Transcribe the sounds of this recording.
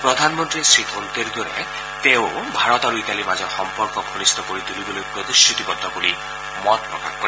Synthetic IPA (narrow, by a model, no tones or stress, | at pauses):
pɾɔd̪ʱanmɔnt̪ɾisit̪ʰont̪eɾd̪ɔɾḛ | t̪eʊbʱaɹɔt̪aɾuit̪alimazɔɾxɔmpɔɾkɔpʰɔnist̪ʰɔkoɾid̪uɾibɔlojpɾɔd̪isit̪ibɔd̪ʱːɔkoli | mɔt̪̚pɾɔkaxkɔɾi